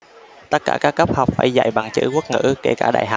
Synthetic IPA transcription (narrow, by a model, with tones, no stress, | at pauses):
t̪ə˦˥t̚kaː˧˩kaː˦˥kːə˦˥p̚hɔ˨˩wk͡p̚faː˧˩jza̰˧˩˨jɓa˨˩ŋt͡ɕɨ̰˧˥ku˦˥t̚ŋɨ̰˧˥ke˧˩kaː˧˩ɗa̰ː˧˨jɦɔ˨˩wk͡p̚